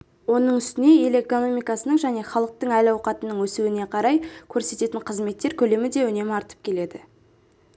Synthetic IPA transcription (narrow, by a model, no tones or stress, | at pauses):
wo̞nəɴʏst̪ɪne̞ele̞ko̞no̞mijkɑsənəŋʒæne̞χɑlˠəq̚t̪əɴælɑwqɑt̪ənəɴwɵsuɪne̞qʰɑɾɑjkʲʰɵɾse̞t̪e̞t̪ɪɴqʰəzme̞t̪ːe̞ɾkʲʰɵle̞mɪd̪e̞ɵne̞mɪɑɾt̪ə̥p̚kʲʰe̞le̞d̪ɪ